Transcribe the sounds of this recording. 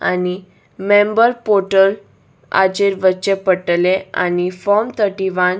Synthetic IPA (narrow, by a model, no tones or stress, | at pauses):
ani | mẽmbəɾpoɾʈəl | a̰d͡ʑeɾʋət͡ɕepəʈlea̰nifɔmt̪ʰəʈiʋan